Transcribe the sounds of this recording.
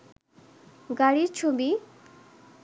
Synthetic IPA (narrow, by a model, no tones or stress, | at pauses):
ɡaɽiɾt͡ɕʰobi